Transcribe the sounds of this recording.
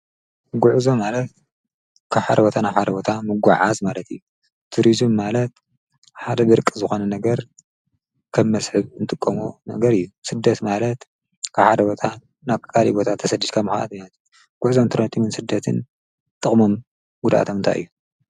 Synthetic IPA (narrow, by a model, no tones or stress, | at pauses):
ɡuʕzo̞malɐt̪̚ | kʰaβħad̪ɐbot̪ʰanaβħad̪ɐbot̪ʰamɨɡʷa̰ʕa̰zmalɐt̪ɨjːu | t̪ʰuɾizɨmːalɐt̪ | ħad̪ɐbɨɾɨkʼːɨzɨxo̞nɐnɐɡɐɾ | kʰɐmːɐsħɨβɨnt̪ʼɨkʼːɐmunɐ̰ɡɐɾɨjːusɨd̪ːɐt̪malɐt̪ | kʰaβħad̪ɐbot̪ʰa | naβkkʼʰːalḭbo̞t̪ʰat̪ʰːɐsɐd̪id̪kʰamɨxaʔa̰t̪mat̪ʰ | ɡ̥ʊʕzo̞mt̪ʰɨɾont̪ʼimɨnsɨd̪ːɐt̪ʰɨn | t̪ʼɨχʼmo̞m | ɡud̪ʔa̰t̪ʰomnt̪a̰jʔɨjːu